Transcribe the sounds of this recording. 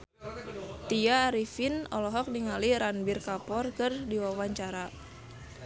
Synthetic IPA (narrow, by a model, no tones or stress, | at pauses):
t̪iaːɾifinɔlɔɦɔk̚niŋaliɾanbirkapɔrkərdiwawaɲt͡ʃaɾa